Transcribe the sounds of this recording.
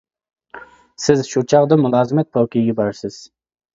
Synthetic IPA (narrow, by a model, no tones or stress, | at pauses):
sɪzʃut͡ʃʰɑʁd̪ɨmulˠɑːzɨmɛt̪̚pʰowkʲijɡʲɛbɑɾsɪz̥